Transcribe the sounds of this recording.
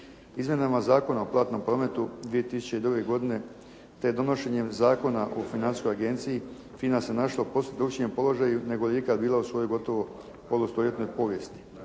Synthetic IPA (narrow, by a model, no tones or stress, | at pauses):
izmje̞namazaːko̞naoplˠaːt̪no̞mpɾo̞ːme̞t̪ud̪ʋie̞t̪isu̥t͡ɕeid̪ɾuɡe̞ɡo̞d̪ine̞ | t̪ed̪o̞no̞ʃe̞ɲe̞mzaːko̞naʔofinansi̥sko̞jaɡe̞nt̪siji | fiːnasenaʃlapo̞sed̪ɾukt͡ɕie̞mpo̞lˠo̞ʒajune̞ɡojeikad̪biːlˠausʋo̞jojɡo̞t̪o̞ʋo̞ | po̞lˠust̪olje̞t̪no̞jpo̞ʋje̞st̪i̥